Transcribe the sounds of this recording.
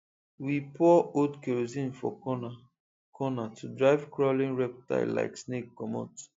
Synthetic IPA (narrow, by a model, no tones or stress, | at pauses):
wipʰɔodkeɹozĩnfɔ̰ | kʰɔnatʰudɹaɪvkɹɔlĩnɹɛp̚ta̰ɪlːa̰ɪksnekːɔmo̰t